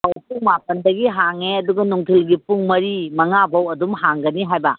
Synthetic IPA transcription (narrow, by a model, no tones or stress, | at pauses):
awpuŋmap̚ɐndɐɡiɦaŋeɐduɡɐnuŋtʰilɡipuŋmɐɾimɐŋabɐwɐdumɦaŋɡɐniɦajbɐ